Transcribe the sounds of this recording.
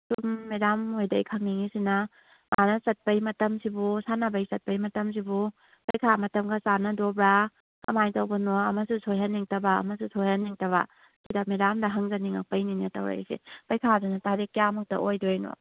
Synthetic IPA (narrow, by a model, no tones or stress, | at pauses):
sumːiɾamojdɐjkʰɐŋniŋisinɐ | manɐsɐt̚pɐjmɐtɐmsibusanɐbɐjsɐt̚pɐjmɐtɐms̬ibu | pɐjkʰamɐtɐmɡɐsanɐdobɾa | kɐ̰majtɐwbɐnoɐmɐsusʰojɦɐnːiŋtɐba̰ːmɐsusʰojhanːiŋtɐβa̰ | kidamiɾamdɐɦɐŋzɐniŋak̚pɐjninetɐwɾa̰sḭpɐjkʰazanɐtaɾikːjamuk̚tɐ̰ʔojdojno̰